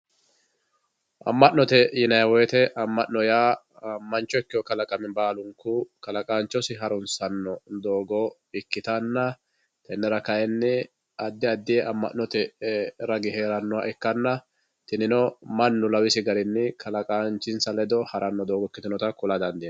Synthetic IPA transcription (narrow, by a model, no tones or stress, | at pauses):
ʔɐ̰mːɐʔnɔt̪ɛjɪnɐjɐwɔjt̪ɛʔɐmːɐʔnɔjaː | mɐnt͡ʃːɔɪkːɪjɔkɐlɐkʼɐmɪbaːlʊŋkʊkɐlɐkʼaːnt͡ʃːɔsɪɦɐɾʊnsɐnːɔd̪oːɡɔ | ɪkːɪt̪ɐnːɐ | t̪ɛnːɛɾɐkɐjɛnːɪ | ɐd̪ːɪɐd̪ːɪjɛʔɐmːɐ̰ʔnɔt̪ɛɾɐɡɪɦeːɾɐnːʊwaʔɛkːɐnːɐ | t̪ɪnɪnɔmɐnːʊlɐwɪsɪɡɐɾɪnːɪkʰɐlɐkʼaːnt͡ʃːɪnsɐlɛd̪ɔhɐɾʔɐnːɔd̪oːɡɔkːɪt̪ɪnɔt̪ɐkʊlad̪ɐnd̪ɪ